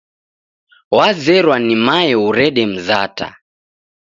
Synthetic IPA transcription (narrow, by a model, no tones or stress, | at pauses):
wazɛɾwanimajɛuɾɛɗɛm̩zata̰